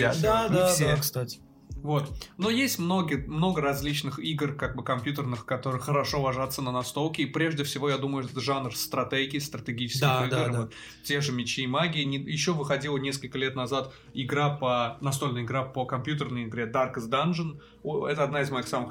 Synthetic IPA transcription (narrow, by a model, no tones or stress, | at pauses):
d̪ad̪afsʲekst̪atʲɪ̥ | vo̞t̪no̞jesʲtʲmno̞ɡʲɪmno̞ɡəɾɐzʲlʲit͡ɕnɨxiɡrkaɡ̚bɨkɐmʲpʲjut̪ʲərnɨxkɐt̪o̞ɾɨxəɾɐʂo̞vɐʐat̪sənənɐst̪o̞lˠkʲɪipɾʲe̞ʐdʲɪfsʲɪvo̞jad̪uməjʊt̪t̪ʐanrst̪ɾɐt̪ɛɡʲɪst̪ɾət̪ʲɪɡʲit͡ɕɪ̥skdʲɪaxidɡɾɨvot̪ | tʲeʐɨmʲɪt͡ɕiːmaɡʲɪɪnʲɪjɪɕːo̞vɨxɐdʲilˠənʲe̞skəlʲkəlʲe̞t̪nɐzat̪ | ɪɡɾapənɐst̪o̞lʲnəjɪɡɾapəkɐmpʲjut̪ʲərnəjɪɡɾʲed̪arkɨzd̪anʐɨn | ɛt̪əɐd̪naɪzmɐixsamɨx